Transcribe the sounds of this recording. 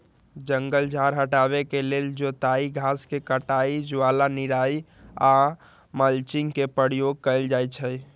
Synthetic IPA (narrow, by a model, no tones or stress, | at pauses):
d͡ʒə̃ŋɡəld͡ʒʱaːɾɦəʈaːbekeleːld͡ʒot̪aːiɡʱaːskekəʈaːid͡ʒʊwaːlanɪɾaːi | a | məlt͡ʃɪŋkepɾəɽjoɡ̚kəəld͡ʒaːjt͡ʃʰə